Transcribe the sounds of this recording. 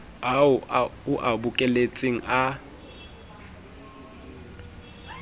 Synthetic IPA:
ɦaʊʊʔabʊkʼɛlet͡sʼeŋ̩a

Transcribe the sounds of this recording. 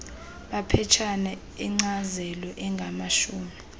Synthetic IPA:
ɓapʰɛt͡ʃʰanɛ | iŋ͡ǀazɛlɔʔɛŋɡʱamaʃuːmi

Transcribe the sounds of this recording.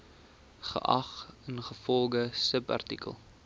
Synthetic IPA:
χə̰ʔɐχənχəfɔlˠɡəsəpɐ̰rtikə̰lˠ

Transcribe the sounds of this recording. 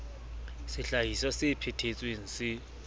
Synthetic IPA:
sɪɬaɦisɔsɪpʰetʰet͡sʼweŋ̩sɪ

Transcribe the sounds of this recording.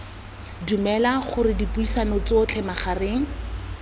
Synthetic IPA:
dumɛlaχʊrɪdipuisanot͡sʊt͡ɬʰɛmaχarɪːŋ̩

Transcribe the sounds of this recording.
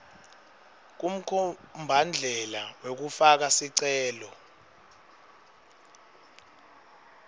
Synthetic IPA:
k̬um̩kʰɔmbʱand͡ɮʱɛlawek̬ufak̬asiǀɛːlɔ

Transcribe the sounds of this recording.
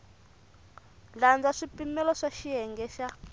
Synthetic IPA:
land͡zaʂipimɛlɔʂaʃiɛŋɡɛʃa

